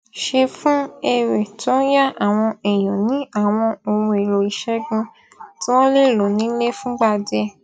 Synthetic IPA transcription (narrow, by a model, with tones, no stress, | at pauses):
ʃe˧fũ˦e˧ɾe˨tʰɔ̃˦ja˦˨ʔa˨w̃ɔ̃˧ɛ˨j̃ɔ̃˨nĩ˨˦a˦˨w̃ɔ̃˧o˨wũ˧e˨ɾo˨i˨ʃɛ˦ɡũ˧ | tĩ˦wo˦le˦˨lo˨nĩ˨˦le˦fũ˦ɡ͡ba˦˧˨dɛ˧